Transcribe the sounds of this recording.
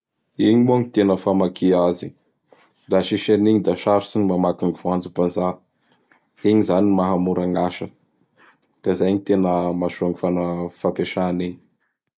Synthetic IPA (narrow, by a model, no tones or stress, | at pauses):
iɲimuaŋit̪enəfamakʰiazi | ɾaʃiʃaniɲid̪aʃaɾusiɲimamakiŋifand͡zupanza | iɲizanimaɦamuɾaŋaʃə | d̪̥azajɲit̪enəmaʃuaŋifanəfapeʃaniɲi̥